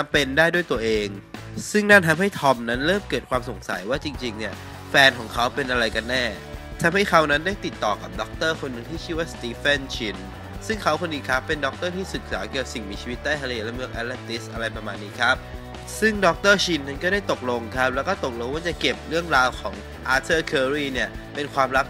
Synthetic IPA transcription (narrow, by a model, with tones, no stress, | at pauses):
a˧mpe˧ndaː˥˩jdu˥˩əjt̪u˧ɐʔeː˧ŋsɯ˥˩ŋna˥˩nt̪ʰa˧mɦa˥˩jt̪ʰɔ˧mna˦˥nɾɤː˥˩mkɤː˨˩t̪̚kʰwaː˧mso˩˦ŋsa̰˩˦jwaː˥˩t͡ɕi˧ŋt͡ɕi˧ŋni˥˩ɐ | fɛː˧nkʰɔː˩˦ŋkʰa˦˥wpe˧nʔa˧ɾa˧jka˧nːɛː˥˩ | t̪ʰa˧mha˥˩jkʰa˦˥wna˦˥ndaː˥˩jt̪i˨˩t̪ːɔː˨˩ka˨˩p̚dɔ˦˥k̚t̪ɤː˥˩kʰo˧nːɯ˧ŋt̪ʰiː˥˩iː˥˩waː˥˩st̪iː˧fe˥˩nt͡ɕʰi˧n | sɯ˥˩ŋkʰa˦˥wkʰo˧nːdiː˧kʰa˦˥pːe˧ndɔ˦˥k̚t̪ɤː˥˩t̪ʰiː˥˩sɯ˨˩t̪̚saː˩˦ka˨˩si˨˩ŋmiː˧t͡ɕʰiː˧wi˦˥t̪̚d̪aː˥˩jt̪ʰa˧eː˧lɛ˦˥mɯ˥˩ək̚ʔɛ˦˥t̪̚lɛ˦˧˩p̚t̪i˦˥sʔa˧ɾa˧jpɾa˧maː˧nːiː˦˥kʰɾa˦˥p̚ | sɯ˥˩ŋdɔ˦˥k̚t̪ɤː˥˩t͡ɕʰi˧nːa˧˥˩nkɔː˥˩ɾaː˥˩jt̪o˨˩k̚lo˧ŋkʰa˦˥p̚lɛ˦˥wkɔː˥˩t̪o˨˩k̚lo˧ŋwaː˥˩t͡ɕa˨˩ke˨˩p̚ɾɯ˥˩əŋɾaː˧wkʰɔː˩˦ŋ | ʔaː˧˥t̪ʰɤː˥˩kʰɤː˧ɾiː˥˩ni˥˩ɐ | pe˧nkʰwaː˧mɾa˦˥p̚